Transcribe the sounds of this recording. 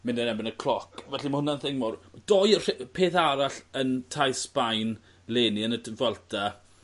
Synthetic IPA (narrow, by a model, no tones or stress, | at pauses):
mɪndənɛbɪnəkʰlɔkʰvɛɬimahʊnanθɪŋmɔrdɔjrpʰeːθaɾaɬəntʰajsb̥ajn | leːniənədəvɛlˠtʰa